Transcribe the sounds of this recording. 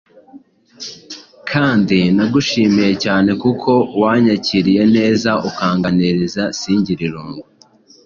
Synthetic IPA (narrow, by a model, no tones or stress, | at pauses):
kʰaːndinaɡuʃiːmije̞caːne̞kukʰo̞waːɲaciɾije̞ne̞ːzaukaːŋɡaneɾizasiːɲɟiɾiɾuːŋɡu